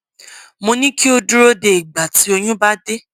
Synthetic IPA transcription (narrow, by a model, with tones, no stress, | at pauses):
mõ˧nĩ˦ki˦o˧du˦ɾo˦de˨i˨ɡ͡ba˨ti˨˦o˧j̃ũ˦ba˦de˦